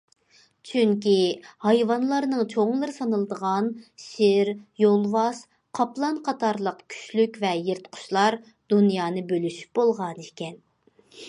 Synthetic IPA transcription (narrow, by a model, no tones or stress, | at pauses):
t͡ʃʰyŋkʲihɑjvɑnlˠɑɾnɨŋt͡ʃʰoŋlˠɨɾɨsɑnɨlˠɨd̪əʁɑnʃɪɾjolˠvɑs | qʰɑplˠɑnqʰɑt̪ʰɑɾlˠəqkʲʰy̥ʃlykʲvɛjeɾt̪qʰʊ̥ʃlˠɑɾ | d̪unjɑːnɨbølyʃy̥p̚bolˠʁɑnekʲɛn